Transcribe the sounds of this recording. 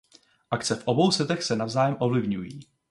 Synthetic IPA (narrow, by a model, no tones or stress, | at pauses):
ʔakt͡sɛfʔo̞bo̞wsɛt̪ɛxsɛnavzaːjɛmʔo̞vlɪvɲujiː